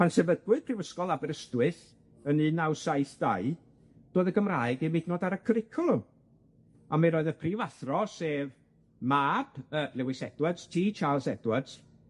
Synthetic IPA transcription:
pʰansɛvədwɨð̥pʰrivəskɔlˠabɛɾəstwɨθ | ənɨnawsaɨθd̥a̰ɨ | d̥oːðəɡəmraːɨɡimɪdnɔːdaɾəkʰəɾɪkʰɔlˠʊm | amaɾɔɨðəpʰrivaθrɔseːv | maːb̥əːlˠɛwɪsɛd̥wadz̥tʰiːt͡ʃʰaːlˠsɛdwadz̥

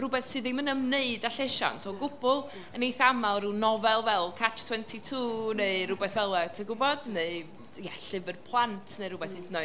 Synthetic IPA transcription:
rʊbɛθsɨːðimənəmneɨdaɬeʃa̰nsʰɔɡʊbʊlˠ | ənejθamalˠrunɔvɛlˠvɛlˠkʰatʰtʰwɛntʰitʰuːneɨrʊbɛθvɛlˠɛtʰəɡʊbɔd̥neɨ | jɛɬɪvərpʰlˠantʰneɨɾʊbɛθidno

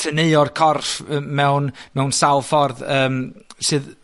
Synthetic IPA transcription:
tʰəneɨɔrkʰɔrfəmɛwnmɛwnsalˠfɔrðəːmsɨːð

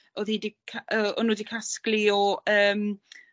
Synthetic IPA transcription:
oðhiːdikʰaəɔ̰nuːdikʰaskliɔəːm

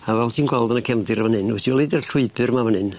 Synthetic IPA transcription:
avɛlˠtʰiːnɡwɛlˠdənəkʰɛmdɪɾəvənɨnwɛtʰiɔlˠedɛrɬʊɨbɨrmavənɨn

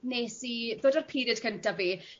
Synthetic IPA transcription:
neːsiðoːdarpʰiːɾɨd̥kʰəntaviː

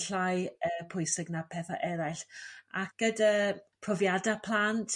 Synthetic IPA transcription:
ɬajəpʰʊjsɪɡnapʰɛθa̰ʔɛɾajɬak̚ɡ̥ədəpʰrɔvjadapʰlˠantʰ

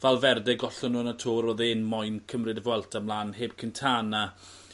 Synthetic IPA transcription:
vɛlˠvɛrdɛɡɔɬɔnːuːənətʰoːɾɔðeːnmɔjnkʰəmrɨdəvwɛlˠtʰamlˠaːnheːb̥̚kʰəntʰaːnːa

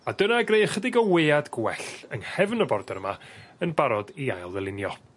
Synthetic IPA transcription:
adənaɡrejəχədɪɡɔweadɡwɛɬənhɛvnəbɔrdɛɾmaənbaɾɔdiajlˠvɛlˠɪnjɔ

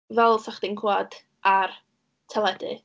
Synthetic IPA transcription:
vɛlˠsaχd̥ɪŋkʰwad̥ | ʔar | tʰɛlˠɛdɨ̰

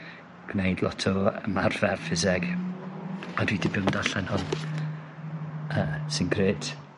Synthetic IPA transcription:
ɡ̥wnejdlˠɔtʰɔəmarvɛrfɪzɪɡ | adwidɪbɪdaɬɛnhɔn | əːsɪnɡreːt

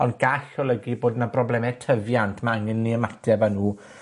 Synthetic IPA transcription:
ɔnɡ̥aɬɔlˠəɡiboːdnabrɔblɛmɛtʰəvjantʰmaaŋənːiəmatʰɛvanuː

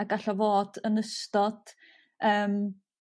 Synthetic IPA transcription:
aɡaɬɔvoːd̥ənəstɔd̥ | əːm

